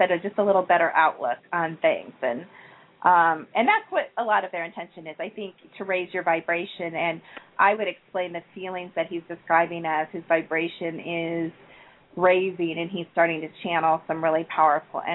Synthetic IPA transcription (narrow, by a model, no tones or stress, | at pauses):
sɛɾɨd͡ʒʌstəlɪɾl̩ˠbɛɾə˞ʔaʊʔˡlʊ̰kn̩θɪ̰̃ŋz̥ɨ̃n | ʔʌ̃mɨ̃nðætswʌɾəlɔɾʌvðə˞ɨ̃ntʰɛ̃nʃɨ̃nɨzaɪθɪ̃ŋk̚tʰɨɹeɪzjə˞vaɪbɹeɪʃɨ̃nɨ̃nʔaɪwɨɾɨksplẽɪ̃nðɨfilˠɪ̃ŋzðɨt̚hizdɨskɹaɪbɪ̃ŋɨz̥hɨzvaɪbɹeɪʃɨ̃nɪz̥ | ɹeɪzɪ̃ŋɨ̃niz̥stɑɹɾɪ̃ŋtʰɨt͡ʃʰæ̃nl̩ˠsʌ̃mɹɪlˠipʰaʊə˞fl̩ˠɨ̰̃